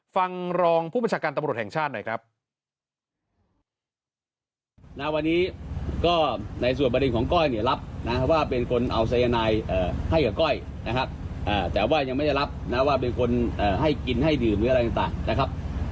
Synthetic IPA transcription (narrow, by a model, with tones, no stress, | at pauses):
fa˧ŋɾɔː˧ŋpʰu˥˩bnt͡ɕʰaː˧kaː˧nt̪a˧mɾu˨˩t̪̚hɛ˨˩ŋt͡ɕʰaː˥˩t̪̚nɔ̰˨˩jkʰɾa˦˥p̚ | na˦˥˩wa˧nːiː˦˥kɔː˥˩na˧js̬u˨˩npɾe˧nkʰɔː˩˦ŋkɔ˥˩jni˥˩ɐɾa˦˥p̚na˦˥waː˥˩pe˧nkʰo˧nʔa˧wsa˧ja˧naː˧jʔaː˨˩ha˥˩jka˨˩kɔ˥˩j | na˦˥kʰa˦˥p̚ʔaː˨˩t̪ɛː˨˩waː˥˩ja˧ŋma˥˩jda˥˩la˦˥p̚na˦˥waː˥˩p̬e˧nkʰo˧nʔaː˨˩ɦa˥˩jki˧nɦa˥˩jdɯː˨˩mɯː˦˥a˧jt̪a˨˩ŋt̪aː˨˩ŋna˦˥kʰa˦˥p̚